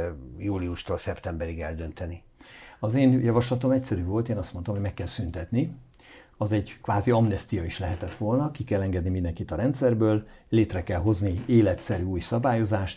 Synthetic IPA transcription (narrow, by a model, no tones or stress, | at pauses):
juːliuʃt̪oːlsɛpt̪ɛmbɛɾiɡɛld̪ønt̪ɛni | ɒzeːnjɒvɒʃlɒt̪o̞mɛcsɛɾyːvo̞lt̪eːnɒst̪mo̞nt̪omɦo̞ɟmɛkːɛlsynt̪ɛt̪ni | ɒzɛɟkʋaːziɒmnɛst̪ijɒiʃlɛɦɛt̪ɛt̪ʋo̞lnɒkikɛlːɛŋɡɛd̪nimind̪ɛŋkit̪ɒɾɛnt̪sɛrbøːlleːt̪rɛkɛlɦo̞znieːlɛt̪sɛɾyuːjsɒbaːjo̞zaːʃt̪